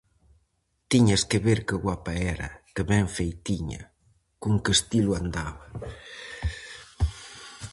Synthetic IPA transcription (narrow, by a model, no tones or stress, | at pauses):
t̪iɲaskeβeɾkəɣwapaɛɾɐ̰kəβɛɱfejt̪iɲɐ̰ | kuŋkəst̪iluand̪aβɐ